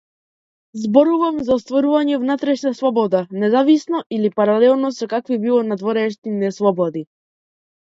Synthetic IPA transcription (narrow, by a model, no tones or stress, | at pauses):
zbɔɾuvamzaɔst̪vɔɾuvaɲɛvnat̪ɾɛʃnaslˠɔbɔd̪anɛzavisnɔilipaɾalɛlˠnɔsɛkakvibilˠɔnad̪vɔɾɛʃninɛslˠɔbɔd̪i